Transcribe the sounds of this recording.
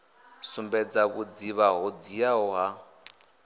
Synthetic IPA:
sumbɛd͡zakud͡ziβaɦɔd͡zijaɦɔɦa

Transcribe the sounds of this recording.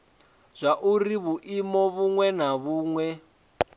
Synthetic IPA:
z̥ʷaʔuriβuʔimɔβuŋwɛnaβuːŋwɛ

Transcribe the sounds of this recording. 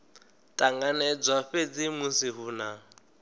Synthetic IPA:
tʼaŋɡanɛd͡zaɸet͡sʼɪmusiɦuːna

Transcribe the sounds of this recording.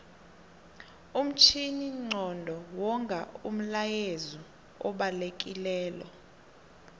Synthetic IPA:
um̩t͡ʃʰiniŋ͡ǀɔndʱɔwɔŋɡʱaṵm̩lajezɔ | ɔɓalek̬ʼilɛːlɔ̰

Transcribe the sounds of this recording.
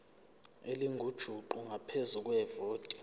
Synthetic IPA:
eliŋɡʱud̥ʒ̥ʱuǃuŋʱapʰezuk̬ʼwɛvoːtʼi

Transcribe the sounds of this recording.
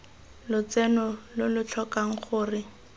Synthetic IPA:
lʊt͡sɛnɔlʊlʊt͡ɬʰɔkaŋ̩χʊːrɪ

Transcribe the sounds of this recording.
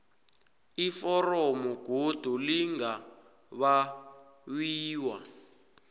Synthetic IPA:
ifɔrɔmɔɡ̥ʱod̥ʱuliŋɡa | βa | wiːwa

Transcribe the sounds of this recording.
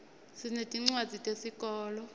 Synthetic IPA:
sinetʼiŋ͡ǀwḁd͡zʱitʼesikʼɔːlɔ

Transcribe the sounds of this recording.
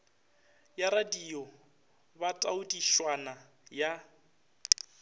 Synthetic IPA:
jaɾadijɔ | batʼaʊdiʃwana | ja

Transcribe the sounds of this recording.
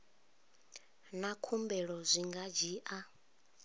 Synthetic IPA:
nakʰumbɛɺɔzʷiŋɡad͡ʒiːʔa

